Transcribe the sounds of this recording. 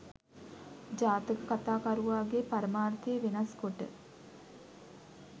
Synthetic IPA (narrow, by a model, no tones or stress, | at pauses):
d͡ʒaːt̪əkəkat̪aːkaɾuʋaːɡepaɾəmaːɾt̪eːʋenɐskoʈə̰